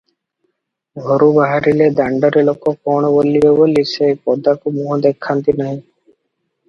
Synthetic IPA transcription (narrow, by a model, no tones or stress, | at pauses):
ɡʱoɾubaɦaɾiled̪aɳɖɔɾelokɔkɔɳ̃ɔbolːibebolisepɔd̪akumuɦɔd̪ekʰːant̪inaɦĩ